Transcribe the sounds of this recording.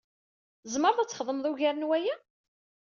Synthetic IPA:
zməɾðˤæt͡sːəχðˤəmðˤuʝæɾənwæjæ

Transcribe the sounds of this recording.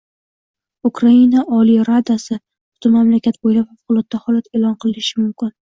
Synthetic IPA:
ukʰɾainaʔɒlijɾad̪asɪ | ʊ̥t̪ʰɪmamlakʲʰat̪̚bojlapfafqʊlˠɒt̪ːahɒlat̪elˠɒnqʰɨlˠɪnɪʃɪmʊmkʲɪn

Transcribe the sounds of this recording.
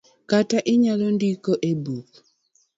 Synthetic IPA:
kataʔiɲalondikoʔebuk̚

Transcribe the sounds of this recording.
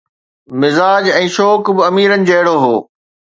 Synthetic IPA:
mɪzaːd͡ʑɛ̃ːʃɔːkbɪɐmiːɾənɪ̆d͡ʑɐɦɪɽoɦoː

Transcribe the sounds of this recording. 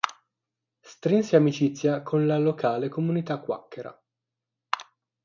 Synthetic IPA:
st̪ɾinseamit͡ʃit̪sːjakʰonlalokʰaːlekomunit̪akːwa̰kːeɾa̰

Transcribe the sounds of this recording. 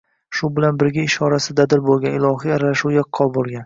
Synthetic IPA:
ʃʊbɪlanbɪɾɡʲaɪʃɒɾasɪd̪ad̪ɪɾbolˠɡʲanɪlˠɒɦijaɾalaʃuwjaqʰːɒlˠbolˠɡʲan

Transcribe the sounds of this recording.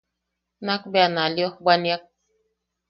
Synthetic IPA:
nakbjanaljɔɡ͡banjak̚

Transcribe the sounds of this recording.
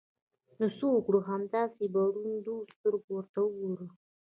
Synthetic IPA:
nʊsukɽoɦamd̪ɑsebaɾund̪ust̪əɾɡowəɾt̪aʊɡoɾə

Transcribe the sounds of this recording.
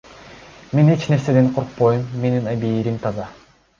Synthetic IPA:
me̞ne̞t͡ʃne̞ɾse̞d̪e̞nqʰoɾq̚pojumːe̞ninabiːɾimt̪ʰɑzɑ

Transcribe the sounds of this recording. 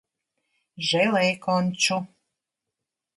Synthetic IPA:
ʒelejkonʲt͡ɕu

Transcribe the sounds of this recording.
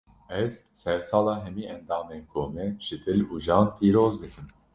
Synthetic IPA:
ɛzsɛɾsɑːlɑːɦɛmiːɛnd̪ɑːmenkʰoːmɛʒ̥ɨd̪ɨluːʒɑːnpʰiːɾoːzd̪ɨkʰɨm

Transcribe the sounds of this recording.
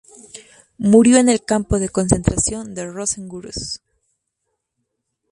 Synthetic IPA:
muɾjo̞ene̞lkampo̞ðe̞ko̞nse̞nt̪ɾasjo̞nd̪e̞roseŋɡuɾo̰s

